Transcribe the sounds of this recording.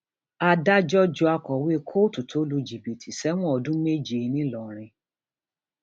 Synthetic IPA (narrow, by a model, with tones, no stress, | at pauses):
a˧da˦d͡ʒɔ˦d͡ʒɔ˧a˧kɔ˨we˦kʰo˦tu˨tʰo˨˦lu˧d͡ʒi˨bi˨tʰi˨sɛ˨˦w̃ɔ̃˦ɔ˧dũ˦me˦d͡ʒi˨˧nĩ˦lɔ˨ɾ̃ĩ˧